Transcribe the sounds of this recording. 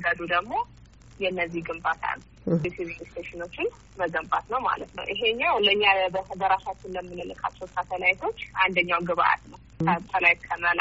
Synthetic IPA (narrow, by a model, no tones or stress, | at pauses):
ɡəd̪ud̪əɡmo̞ | jɛɨnːəzːiɡɨmbat̪ʰa̰n | sivilst̪ʰeʃɪno̞t͡ʃːɪn | məzəmbat̪nəwma̰lət̪nə̰wʔiɦeɲːawləɲːabəbəɾasat͡ʃːɪnləmːɨnəlɨkʰʼa̰t͡ʃːɛwsat̪ʰəlajit̪ʰo̞t͡ʃːʔand̪əɲːawɡɨβa̰ʔa̰t̪nəw | ət̪ʰəlajt̪kʰəməla